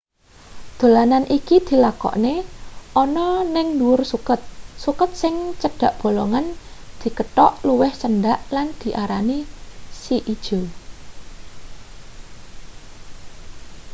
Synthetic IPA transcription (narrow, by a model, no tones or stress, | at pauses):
d̪̥o̤lananʔikid̪̥i̤lakɔ̰ʔneʔɔnɔnɪŋluwʊrsukət̪̚sukət̪̚sɪŋt͡ʃəɖ̥a̤ʔb̥o̤loŋand̪̥i̤kəʈɔʔluwɪhsənɖaʔland̪̥i̤ʔaɾanisiʔid̥ʒ̥o̤